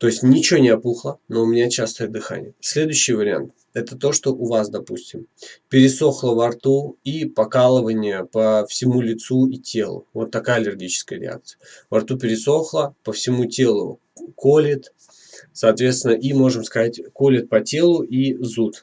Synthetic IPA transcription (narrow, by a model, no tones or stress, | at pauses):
t̪o̞ɪsʲtʲnʲɪt͡ɕɪonʲɪɐpuxlˠənoʊmʲɪnʲat͡ɕast̪ojt̪d̪ɨxa̰nʲɪ̰jəsʲlʲe̞d̪ʊjʏɕːɪjvəɾʲɪa̰nt̪ | ɛt̪ət̪o̞ʂt̪o̞ʔʊvasd̪ɐpusʲtʲɪmpʲɪɾʲɪso̞xlˠəvɐrt̪uipɐkalˠɨvənʲɪjəpəfsʲɪmulʲɪt̪suitʲʰe̞lˠʊ̰vo̞t̪ːɐkajəɐlʲɪrɡʲit͡ɕɪ̥skəjəɾʲɪ̰a̰k̚t̪sɨjəvɐrt̪upʲɪɾʲɪso̞xlˠəpəfsʲɪmutʲe̞lˠʊ̰ | kolʲɪt̪ | sɐːt̪vʲet̪st̪ʲɪnəʔimo̞ʐɨmskɐzatʲko̞lʲɪt̪̚pɐtʲe̞lˠʊʔizut̪